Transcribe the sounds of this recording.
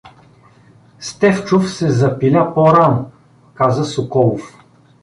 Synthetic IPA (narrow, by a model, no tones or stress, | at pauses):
st̪ɛft͡ʃʊfsɛzɐpilʲapɔɾanʊ | kazəsʊkɔlˠʊf